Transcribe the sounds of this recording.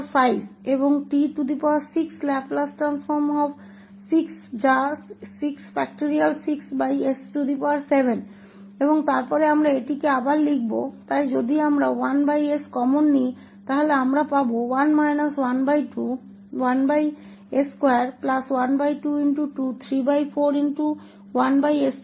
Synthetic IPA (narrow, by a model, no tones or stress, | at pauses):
fajbeboŋʈiʈud̪ipawaɾsikslɛplasʈɾansfɔɾmɔb | siksd͡ʑasiksbɛk̚ʈiɾialsiksbajesʈud̪ipaaɾsebʱen | eboŋt̪aɾpɔɾeamɾaeʈikeabaɾlik̚bot̪ajd͡ʑod̪ʱiamɾawanbajeskɔmonːi | t̪aɦoleamɾapabowanmajnaswanbajʈu | wanbaj | eskoaaɾplaswanbajʈuinʈuʈut̪ʰɾibajfʰoɾinʈu | wanbajes